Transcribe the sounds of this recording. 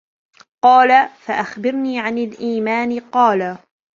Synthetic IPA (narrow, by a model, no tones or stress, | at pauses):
qɑːlafaʔaxbɪɾniːʕanalʔiːmaːnɪqɑːla